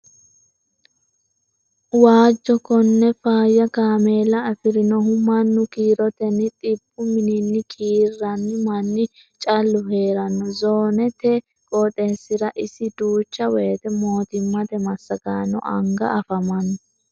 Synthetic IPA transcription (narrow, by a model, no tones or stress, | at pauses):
waːd͡ʒːɔkɔnːɛfaːjːɐkaːmeːlɐɐfɪɾɪnɔɦʊmɐnːʊkiːɾɔt̪ɛnːɪt̪ʼɪbːʊmɪnɪnːɪkʰiːrːɐnːɪmɐnːɪ | t͡ʃʼɐlːʊɦe̞ːɾɐnːɔzoːnɛt̪ɛ | kʼɔt̪ʼeːsːɪɾɐʔɪsɪd̪uːt͡ʃːɐweːt̪ɛmo̞ːt̪ɪmːɐt̪ɛmɐsːɐɡaːnːɔ̰ʔɐ̰ŋɡɐ̰ʔɐfɐmɐnːɔ